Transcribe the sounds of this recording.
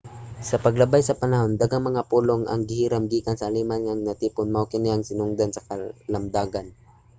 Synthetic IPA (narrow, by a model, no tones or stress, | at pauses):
sɐpɐɡlɐbajsɐpɐnɐhond̪aɡaŋmɐŋapuloŋɐ̰ŋɡɪhiːɾamɡiːkansɐʔːliːmanŋaŋnɐt̪iːpʊnmawkɪnɪɐŋsɪnʊŋd̪ansɐkɐlɐmd̪aːɡan